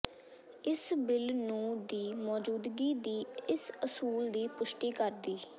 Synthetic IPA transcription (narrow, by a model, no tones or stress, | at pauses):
ɪsbɪlnũːd̪iːmɔːd͡ʒuːd̪ɡiːd̪iːɪsəsuːld̪iːpʊʃʈiːkəɾd̪iː